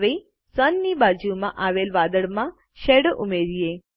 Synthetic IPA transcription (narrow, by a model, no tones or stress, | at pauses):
ʋe | sənːibad͡ʒumãʔaʋelʋad̪əɭmã | ʃeɽəʔumeɾie